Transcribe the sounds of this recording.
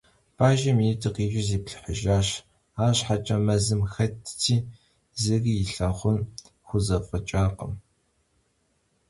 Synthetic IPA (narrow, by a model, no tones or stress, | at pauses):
b̥aːʒɐmitʰʼɨqiːʒɪziːpɬɨ̥ħəʒaːɕ | aːɕħat͡ʃʼɐmɐzɨmxɐtʰtʰiː | zɨɣɪɬɐχʷʊn | xʷʊzɐfʼət͡ʃʼaːqə̰m